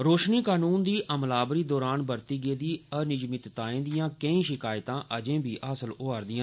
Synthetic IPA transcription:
ɾoːʃniːkaːnuːnd̪iːʔəmlaːbɾiːd̪ɔːɾaːnbəɾt̪iːɡeːd̪iːənɪd͡ʒmɪt̪t̪aːẽːd̪ɪjãːkəĩːʃɪkaːjt̪ãːʔəd͡ʒẽːbiːʔaːsəloaːɾd̪ɪjãː

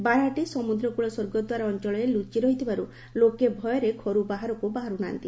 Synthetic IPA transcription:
baɾaʈisɔmud̪ɾɔkuɭɔsoɾɡɔd̪waɾaɔnt͡ʃɔɭɔelut͡ʃiɾɔɦit̪ʰibaɾu | lokebʱɔjɔɾekʰɔɾubaɦaɾɔkubaɦaɾuna̰nt̪i

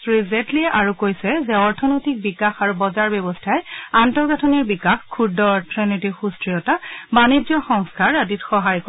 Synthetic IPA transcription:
ɹizɛntliɛʔaɹukojsɛzɛɔɹtʰɔnojtik̚bikaxaɹubɔzaɹbɛbɔstʰajantɔɹɡatʰɔniɹbikaxkʰːudɔtʰɹenitixustɹiɔtabanid͡ʒɔxɔŋskʰaɹaditxɔɦajk

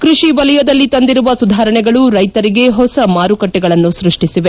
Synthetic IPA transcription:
kɾuʃibɐlɛjɐd̪ɐlːit̪ɐnd̪iɾuʋɐsud̪ʱaːɾɐɳɛɡɐɭuɾɐjt̪ɐɾiɡe̞ɦɔsɐmaːɾukɐʈːɛɡɐɭɐnːusɾiʂʈisiʋe

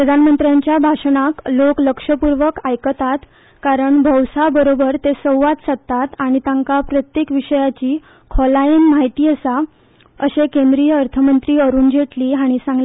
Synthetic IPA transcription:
pɾəd̪ʱanmənt̪ɾjãɲt͡ɕjabʱaʂəɳaklokləkʂəpuɾʋəkajkət̪at̪ | kaɾəɳbʱəwsabəɾobəɾt̪esəwʋat̪sət̪ːat̪aɽ̃it̪jãŋkapɾət̪jekʋiʂəjat͡ɕiː | kʰɔlaiːŋmaɦit̪iːəsa | əɕekẽnd̪ɾijəəɾt̪ʰəmənt̪ɾiːəɾuːnd͡ʑʱeʈliːaɽ̃isãŋɡle

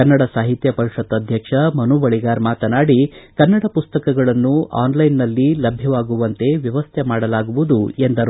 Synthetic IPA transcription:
ɐnːɐɽɐsaːɦit̪jɐpɐɾiʂɐt̪ːɐd̪ʱjɐkʂɐmɐnuʋɐɭiɡaːɾmaːt̪ɐnaːɽikɐnːɐɽɐpust̪ɐkɐɡɐɭɐnːuʔa̰ːnlɐjnːɐlːilɐbʱjɐʋaːɡuʋɐnt̪e̞ʋjɐʋɐst̪ʰemaːɽɐlaːɡuʋud̪uend̪ɐɾ

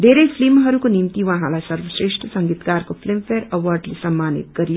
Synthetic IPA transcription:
d̪eɾepʰlimɦɐɾukonimt̪iʋəɦãlajsəɾʋəsɾeːʃʈʰəsəŋɡit̪kaːɾkopʰlimpʰeɾəwəɾɖlesɐmːaːnḭt̪ɡəɾijo

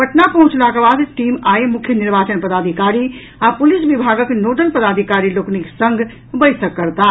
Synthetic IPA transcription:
pəʈnapəɦʊ̃t͡ʃlakebad̪ʈimaemʊkʰːjəniɾbaːt͡ʃənpəd̪aːd̪ʱikaɾi | apulisbibʱaɡəknoɖəlpəd̪aːd̪ʱikaɾiloːkniksə̃ŋɡʱ | bəjsəkːəɾt̪a

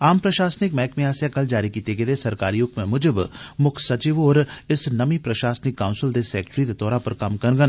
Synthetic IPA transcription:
aːmpɾəʃaːsnɪkmɛːkmẽaːsjakɐld͡ʒaːɾikiːt̪eɡed̪eːsɐɾkaːɾiʊkmẽmʊd͡ʒɪbmʊkʰsɐt͡ʃiʋoːɾɪsnɐmipɾɐʃaːsnɪkːaːʊnsɪld̪eːsɛːkʈɾid̪et̪ɔːɾãpəɾkɐmkɐnɡən

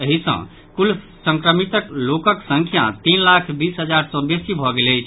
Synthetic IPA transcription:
əɦisə̰̃ | kul | sə̃ŋkɾəmit̪əklokəksə̃ŋkʰja̰t̪inlakʰbisɦəd͡ʒaɾsə̃nbesibʱɔɡeləjt͡ʃʰ

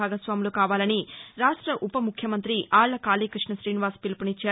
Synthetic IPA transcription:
aːɡɐsʋaːmuloːkaːʋaːlɐniɾaːʂʈɾɐʔupɐmukʰjɐmɐnt̪ɾiaːɭːɐkaːliːkɾiʂɳɐʃɾiːniʋaːspilpunit͡ʃːaː

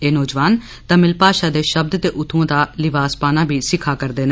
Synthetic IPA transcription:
eːnɔːd͡ʒʋaːn | t̪ãːmɪlpaːʃaːd̪eːʃəb̚d̪t̪eːʔʊt̪ʰːõːd̪aːlɪʋaːspaːnãːbʱiːsɪkʰːaːkəɾd̪eːnɛ

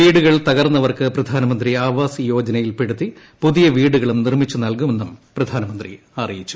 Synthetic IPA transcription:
ʋiːɽuɣɐɭt̪ɐɣɐrnːɐʋɐrkɨprɐd̪ʱaːnɐmɐnd̪riaːʋaːsɨjo̞ːd͡ʑɐnɐjilpeɽut̪ːi | puðijɐʋiːɽuɣɐɭumnirmit͡ɕːunɐlkume̞nːumprɐd̪ʱaːnɐmɐnd̪rḭ | ɐrijit͡ɕːu̥

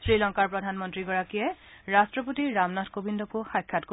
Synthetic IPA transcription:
sɹilɔŋkaɹpɹɔdʱanmɔntɹiɡɔɹakijɛɹastɹɔp̬otiɹamnatʰkobindɔkʊxajkʰːatko

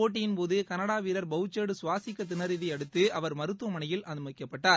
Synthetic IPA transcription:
oːʈ̬ːɪjɪnpoːðɯkɐnɐɽaːʋiːɾɐɾbɐɯt͡ʃːeːɽɯsʊʋaːsɪkːɐt̪ːɪnɐɾɪðɐɐɽɯt̪ːɯɐʋɐɾmɐɾɯt̪ːuɐmɐnɐjɪlʔɐðɯmɐkːɐpːɐʈːaː

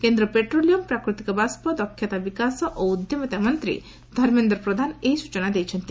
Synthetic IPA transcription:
kend̪ɾɔpeʈɾolijɔmpɾakɾut̪ikɔbaspɔd̪ɔkʰːjat̪abikasɔʔoud̪jɔmɔt̪amɔnt̪ɾḭ | d̪ʱɔɾmend̪ɾɔpɾɔd̪ʱanejsu̥t͡ʃɔnad̪ejt͡ʃʰɔnt̪i

